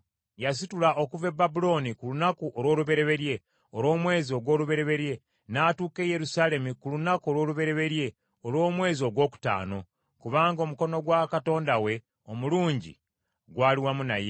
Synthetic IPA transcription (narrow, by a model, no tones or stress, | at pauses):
jas̬itulaʔo̞kuve̞bːabulo̞nikulunakuʔolwo̞ːluβe̞ɾe̞βe̞ɾje̞ | oɾo̞ːmwe̞ːzio̞ɡwo̞ːluβe̞ɾe̞βe̞ɾje̞ | naːtuːke̞je̞ɾusaːle̞mukulunako̞lwo̞ːluβe̞ɾe̞βe̞ɾje̞ | olwo̞ːmwe̞ːzio̞ɡwo̞ːku̥ta̰ːno̞ | kuβaːŋɡomuko̞no̞ɡwakato̞ːndawe̞ | omuluːɲɟḭ | ɡwaːliwamuna̰je